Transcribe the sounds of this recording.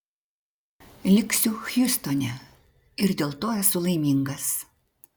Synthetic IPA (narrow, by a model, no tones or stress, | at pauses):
lʲɪksʲʊxʲjʊst̪ɔnʲɛ | ɪɾd̪ʲeːlˠt̪oːæsʊlˠɐɪmʲiːŋɡɐs